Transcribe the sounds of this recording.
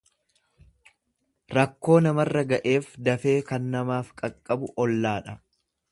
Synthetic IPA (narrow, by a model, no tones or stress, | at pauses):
ɾɐkːo̞ːnɐmɐrːɐɡɐʔe̞ːfd̪ɐfe̞ːkɐnːɐmaːfkʼɐkʼːɐbʊʔɔlːaːᶑɐ